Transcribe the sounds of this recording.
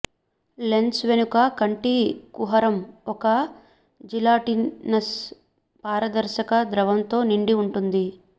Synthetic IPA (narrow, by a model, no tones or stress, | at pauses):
le̞nsʋe̞nukakɐɳʈikuɦɐɾɐmɔkɐ | d͡ʒilaːʈinɐs | paːɾɐd̪ɐɾʃɐkɐd̪ɾɐʋɐmt̪o̞ːniɳɖiuɳʈund̪i